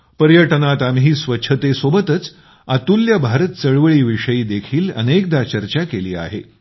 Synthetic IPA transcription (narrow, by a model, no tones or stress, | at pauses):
pəɾjəʈnat̪amɦiːsʋətːɕʰət̪esobət̪ət͡s | at̪uljabʱaɾət̪̚t͡səɭʋəɭiːʋiʂəjiːd̪ekʰiːlə̰nek̚d̪at͡ɕəɾt͡ɕakelḭːa̰ɦḛ